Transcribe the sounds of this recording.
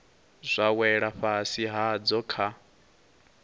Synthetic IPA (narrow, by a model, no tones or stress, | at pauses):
zʷawɛɺaɸasiɦad͡zɔkʰa